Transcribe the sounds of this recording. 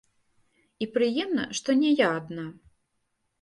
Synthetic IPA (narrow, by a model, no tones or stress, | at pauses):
ipɾɨjɛmnɐ̰ʂt̪ɔnʲɛjaːd̪na